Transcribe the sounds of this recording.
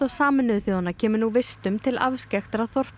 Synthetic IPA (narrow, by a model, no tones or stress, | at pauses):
asaːmɪnʏðʏθjoːðanːacʰɛːmʏnuvɪst̪ʏmt̪ʰɪla̰vscɛxt̪aɾaθɔr̥p